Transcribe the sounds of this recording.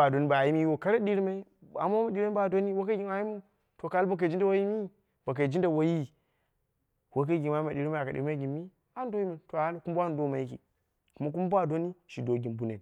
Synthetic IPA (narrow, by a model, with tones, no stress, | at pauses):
a˨do˨ni˦ba˨ji˦mi˦jo˨ka˦ɾa˦ɗi˦ɾi˦ma˦i˦a̰˨ma˦wma˦di˦ɾe˦a˦˨do˦ni˦wo˦ka˦ɡi˨nwa˨˦ji˦mu˦ | to˨ka˦lba˨k̬e˨d͡ʒi˦da˦˨wo˦ji˦mi˦ | b̥a˨k̬a˨d͡ʒi˦nda˨wo˨ji˦ | wo˦k̬a˦ɡʲi˨nwa˨˦i˦ma˨ɗi˨ɾi˦ma˦a˨ka˨ḭ˨˦ma˦ɡi˨mːi˦ | a˦n˦do˦ji˦ma˨to˨a˨˦na˨ku˦m˦ba˦n˦do˦ma˨ji˦kḭ˨ | ku˨ma˦k̬u˦m˦ba˦˨do˦ni˦ʃi˨do˨ɡi˨mbu˦ne˨